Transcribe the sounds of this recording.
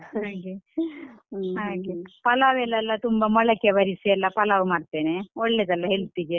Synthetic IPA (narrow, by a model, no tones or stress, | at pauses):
ɦaːɡe | ɦaːɡepɐlaːʋɛlːɐlːɐt̪umbɐmɐɭɐkːeʋɐɾisiɛlːɐpɐlaʋumaːɽt̪eːneɔɭːed̪ɛlːɐɦeɭt̪id̪e